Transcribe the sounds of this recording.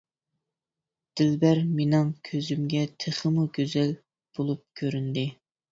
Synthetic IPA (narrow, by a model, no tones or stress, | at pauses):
d̪̥ɪlbæɾmenɨŋkʲʰøzymɡʲɛt̪ʰeχəmuɡʲøzɛl | b̥olˠup̚kʲʰøɾynd̪ɪ